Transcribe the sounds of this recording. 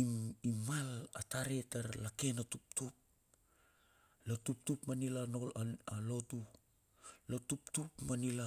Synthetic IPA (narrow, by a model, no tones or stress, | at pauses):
iimalataɾetaɾlake̞natup̚tup̚ | lotup̚tupmanilano̞laalo̞tu | lotuptupmanila